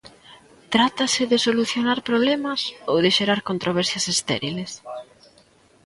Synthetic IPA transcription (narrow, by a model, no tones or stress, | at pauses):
t̪ɾat̪asɪðɪsoluθjonaɾpɾoβlɛmɐsowðeʃeɾaɾkont̪ɾoβɛɾθjɐsest̪ɛ̰ɾiles